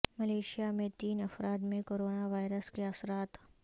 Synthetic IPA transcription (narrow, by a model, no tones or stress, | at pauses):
mɐleːʃijamẽt̪iːnɐfɾaːd̪mẽkoːɾoːnaʋaːɪɾəskeɐsɾaːt̪